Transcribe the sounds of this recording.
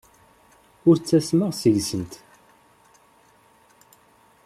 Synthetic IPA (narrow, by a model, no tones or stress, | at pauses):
ʊɾt͡sːæsməʁsəʝsənt̪